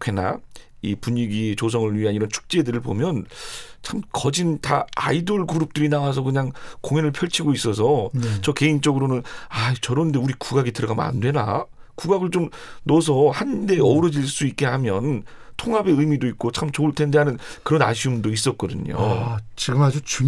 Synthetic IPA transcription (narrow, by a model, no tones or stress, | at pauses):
kena̰ipuɲiɡit͡ɕos̬ʰʌŋɯɭɥiɦaniɾʌnt͡ɕʰu̥k̚t͡ɕ͈e̞dɯɾɯɭpo̰mjʌnt͡ɕʰamkʌd͡ʑinta̰a̰idoɭkuɾup̚t͈ɯɾinawas̬ʰʌkɯɲaŋkoŋenɯɭpʰjʌɭt͡ɕʰiɡois͈ʌsʰʌt͡ɕʌke̞int͡ɕ͈ʌɡɯɾonɯnat͡ɕʌɾonɯnde̞uɾikuɡaɡitɯɾʌɡamna̰ndwe̞na̰kuɡaɡɯɭt͡ɕomnʌsʰʌhande̞ʌɾʌd͡ʑiɭs͈uik̚k͈eɦamjʌntʰoŋɦabe̞ɯjmidoit̚k͈ot͡ɕʰamt͡ɕoɯɭtʰende̞ɦanɯnkɯɾʌna̰ɕʰiumdois̬͈ʌt̚k͈ʌdɯɲo̰t͡ɕiɡɯmad͡ʑut͡ɕ